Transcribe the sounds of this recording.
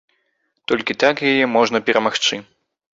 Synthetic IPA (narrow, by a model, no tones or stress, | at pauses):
t̪ɔlʲkʲit̪akjajɛmɔʐnɐpʲɛɾɐmaxt͡ʂɨ